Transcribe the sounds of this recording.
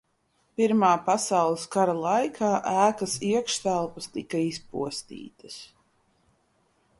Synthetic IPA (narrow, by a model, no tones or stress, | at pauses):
piɾmaːpasawlˠɨskaɾalˠajkʰaːʔæːkɐsiɛkʃt̪ælˠpɐst̪ikɐispṵɔst̪ḭːt̪ɐs